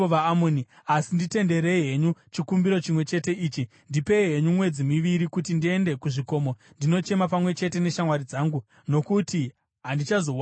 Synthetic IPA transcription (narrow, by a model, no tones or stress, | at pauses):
oʋaamoːni | asindite̞nde̞ɾejɦe̞ɲut͡ʃikumbiɾo̞t͡ʃimwe̞t͡ʃe̞te̞iːt͡ʃi | ndipe̞iɦeɲumwe̞d͡zimiʋiɾikutindie̞nde̞kuʐiko̞mo̞ndino̞t͡ʃe̞mapamwe̞t͡ʃe̞te̞ne̞ʃamwaɾid͡zaːŋɡu | no̞kuti | ɦandit͡ʃazo